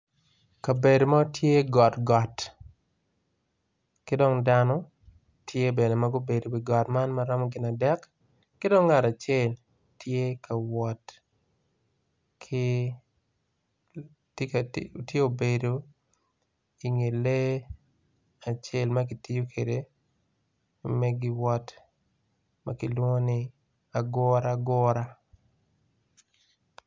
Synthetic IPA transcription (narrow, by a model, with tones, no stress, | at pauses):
ka˨be˨do˨ma˦tʰje˦ɡɔ˨tɡɔ˨t | kɪ˦dɔ˦ŋdanɔ˦ | tʰje˦be˨ne˨ma˦ɡʊ˦be˨do˨pi˨ɡɔ˨tma˦nmɐ˦ɾɔ˦mɔ˦ɡɪ˨na˨dɛ˦kː | ɪ˦dɔ˦ŋːa˨ta˨t͡ʃɛ˦l | tʰje˦kʰa˨wɔ˨t | kʰɪ˦ | tje˦o˨be˨do˨ | i˨ŋe˨le˦ | a˨t͡ʃɛ˦lmak̬ɪ˨tɪ˦jo˦kʰe˨de˨ | mɛ˦ɡɪwɔ˦t | mʔakɪ˨lwo˦ŋo˦nɪ | a˨ɡɔ˦ɾaɡɔ˦ɾa˦